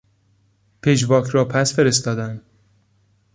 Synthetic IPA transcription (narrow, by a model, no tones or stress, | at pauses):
pʰed͡ʒbɒːkʰɾɒːpʰæsfe̞ɾest̪ɒːd̪æn